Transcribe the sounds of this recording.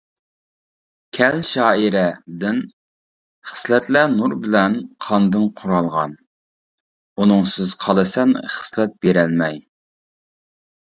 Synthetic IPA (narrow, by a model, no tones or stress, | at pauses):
kʲʰɛlʃɑːiɾɛd̪ɪn | χə̥slɛt̪lænuɾbɪlɛnqʰɑnd̪ɨnqʰʊɾɑlˠʁɑ̰n | unɨŋsɪz̥qʰɑlˠɨsɛnχə̥slɛt̪̚b̥eɾɛnmɛj